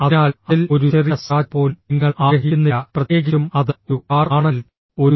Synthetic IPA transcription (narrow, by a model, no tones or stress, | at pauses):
ɐnaːlɐilo̞ɾuɕeriɐsaːpo̞ːlniŋːɐɭaːɡɾɐɦiunːɐprɐt̪jeːɡɐumɐðɨuaːraːɳɐl | o̞ɾu